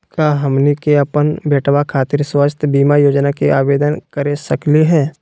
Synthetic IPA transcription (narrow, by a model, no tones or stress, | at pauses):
kaɦɐmnikeɐpənbeːʈʰwakʰaːt̪ɪɾswət͡ʃʰt̪biːmajoːd͡ʒnakeʔaːbeːd̪ənkəɾesəkliɦɛː